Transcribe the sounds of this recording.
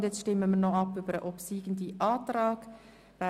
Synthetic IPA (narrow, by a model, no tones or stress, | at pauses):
djɛt͡stʃtɪməmiːnoɑpːyːbəɾəʔopsiːɡən̩diʔɑːtɾɑːɡ̥ | vɛ